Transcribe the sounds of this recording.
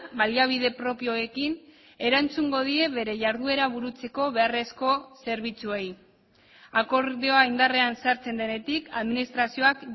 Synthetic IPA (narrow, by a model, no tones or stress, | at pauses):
baliaβ̞iðe̞pɾo̞pio̞ekin | e̞ɾant͡suŋɡo̞ð̞ie̞βe̞ɾe̞ʝaɾðue̞ɾaβ̞uɾut͡se̞ko̞β̞e̞are̞sko̞se̞ɾβ̞it͡suej | ako̞ɾðeoaind̪are̞ansaɾt͡se̞nd̪ene̞t̪ikaðminist̪ɾasio̞ak